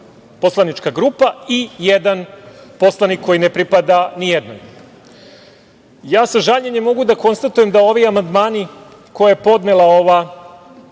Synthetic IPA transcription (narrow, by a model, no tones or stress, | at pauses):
po̞slˠanit͡ʃkaɡɾuːpaijed̪anpo̞slˠanikʰːo̞jinepɾipad̪anijed̪no̰j | jaːsaʒaʎɲeɲemːo̞ɡud̪ako̞nst̪at̪ujemd̪ao̞ʋiamand̪maːni | ko̞jaepo̞d̪nelˠao̞ʋa